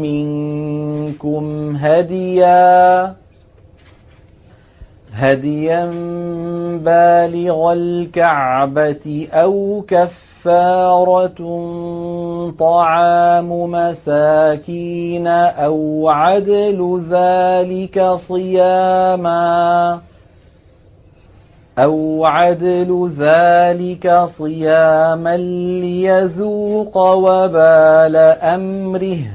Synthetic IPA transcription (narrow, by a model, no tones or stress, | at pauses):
mɪn | kʊmɦad̪ɪjaː | ɦad̪jan | baːlɪɣalkaʕbat̪ʔawkafːɑːɾˤɑ | t̪ˤɑʕɑːmʊmasaːkiːnaʔawʕad̪alʊðaːlɪkasˤɨjaːma | ʔawʕad̪alʊðaːlɪkasˤɨjaːmanːɪjaðuːqɑwabaːlaʔamɾɪh